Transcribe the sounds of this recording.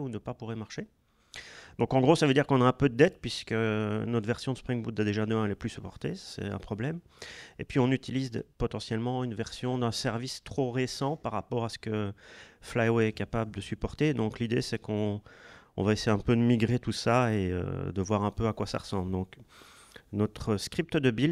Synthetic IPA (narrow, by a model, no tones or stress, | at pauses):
unəpapuʁɛmaʁʃe | d̪̥ɔ̃kɑ̃ɡʁosavød̪iʁkɔ̃naɛ̃pød̪əd̪ɛt̪pɥiskənɔt̪vɛʁsjɔ̃d̪ə̥spχiŋbud̪ad̪eʒad̪əɛ̃ləplysypɔʁt̪esɛ̰t̪ɛ̰̃pχɔblɛm | epɥiɔ̃nyt̪ilizpɔt̪ɑ̃sjɛlmɑ̃ynvɛʁsjɔ̃d̪ɛ̃sɛʁvist̪χoʁesɑ̃paʁːapɔʁasə̥kə | flajoɛkapabləd̪əsypɔʁt̪ed̪ɔ̃klid̪esɛkɔ̰̃ː | vaesejeɛ̃pød̪əmiɡʁet̪usaeø̰d̪əvwaʁɛ̃pøakwasa̰ʁəsɑ̃bld̪ɔ̃k | nɔt̪χəskχip̚t̪əd̪əbil